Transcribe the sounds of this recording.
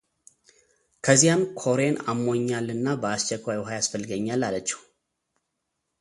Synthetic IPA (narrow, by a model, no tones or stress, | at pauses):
kʰəzːijamkʰo̞ɾena̰mːo̞ɲːalɨnːabəast͡ʃːɛkʷajwɦajasfəlːɨɡəɲːalːalət͡ʃːɛ̥w